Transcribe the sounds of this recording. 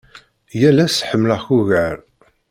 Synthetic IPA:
jælæsħəmːləçuɣəɾ

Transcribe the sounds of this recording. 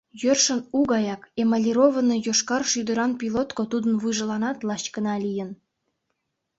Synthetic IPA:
jørʃənuɡɑjɑkemɑlʲiɾovənojoʃkɑrʃyd̪əɾɑnpilot̪kot̪ud̪ənβɯʒəlɑnɑt̪lɑɕkənɑlijən

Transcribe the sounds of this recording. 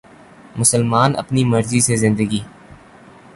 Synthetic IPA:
mʊsəlmaːnə̰pniməɾzisezɪ̃nd̪əɡiː

